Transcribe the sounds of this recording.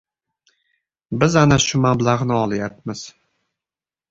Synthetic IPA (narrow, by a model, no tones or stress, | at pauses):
bɪzanaʃʊmablˠaʁnɪɒlˠajap̚mɪz̥